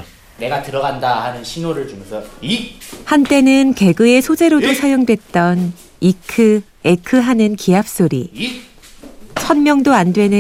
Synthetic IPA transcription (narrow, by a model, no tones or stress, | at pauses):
ne̞ɡatɯɾʌɡandahanɯnɕʰinoɾɯɭt͡ɕuŋsʰʌ | hant͈e̞nɯnke̞ɡɯe̞sʰod͡ʑe̞ɾodosʰajoŋdwe̞t̚t͈ʌn | ikʰɯ | ekʰɯɦanɯnkiap̚s͈oɾḭ | t͡ɕʰʌnmjʌŋdoandwe̞nɯ